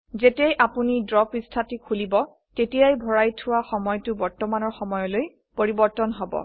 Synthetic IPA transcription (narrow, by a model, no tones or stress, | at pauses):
zetɛjʔapunidɹɔpistʰatikʰulibɔ | tetijajbʱɔɹajtʰʊwaxɔmɔjtʊbɔɹtɔmanɔɹxɔmɔjɔloj | poɹibɔɹtɔnɦɔbɔ̰